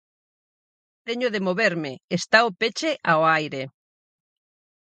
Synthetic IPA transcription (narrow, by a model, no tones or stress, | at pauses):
t̪eɲʊðemoβeɾmeest̪aopet͡ʃeʔaoajɾe